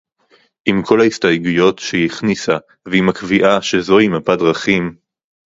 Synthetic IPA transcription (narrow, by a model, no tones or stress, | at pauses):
ʔimkʰo̞laistajɡujo̞tʃeiχnisa | veimakviʔaʃezo̞himapadʁaχim